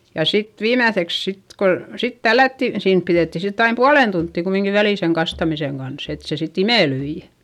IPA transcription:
jɑ sit ʋiːmæθeks sit ko sit tælːætːi siːn piðeˑtːi sitː ɑim puɑlen tuntːiˑ kumiŋki ʋæliˑ seŋ kɑstɑmiseŋ ɡ̊ɑns et se sit imeˑlyi

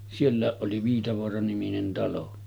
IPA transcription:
sielːæˑeʔ ʔoli ʋiːtɑʋoɑrɑniminen tɑlo

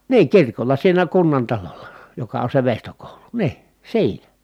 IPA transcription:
niː kirkolˑɑ siːnæ kunːɑntɑlolːɑ jokɑ on se ʋeˑistokoˑulu niː siːnæ

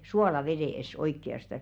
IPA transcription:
suoːlɑʋeɾeˑs oikːiɑstɑs

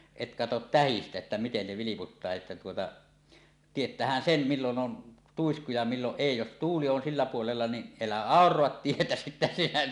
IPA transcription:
et kɑtot tæhistæ etːæ miten ne ʋiliputːɑː etːæ tuotɑ tietˑæːhæn sem milːon ʔon tuisku jɑ milːoʔ ʔeˑi jos tuːli on silːæ puolelːɑ ni elæ ɑˑorˑoɑt tietæ sitːæ sinæ

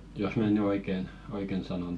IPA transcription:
jos mæˑ ny oiken oiken sɑnon

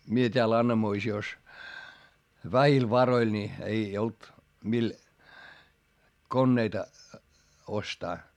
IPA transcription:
mie tʲeæl ɑnːɑmoisios ʋæhil ʋɑroil nʲi ei olt mil konːeitɑ ostɑː

